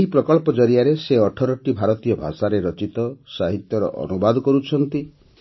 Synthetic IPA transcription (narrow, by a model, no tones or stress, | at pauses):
eɦipɾɔkɔɭpɔd͡ʒɔɾijaɾeseɔʈʰɔɾɔʈibʱaɾɔt̪ijɔbʱa̰saɾeɾɔt͡ʃit̪ɔsaɦit̪jɔɾɔ̰ʔɔ̰nubad̪ʱɔkɔɾut͡ʃʰɔnt̪i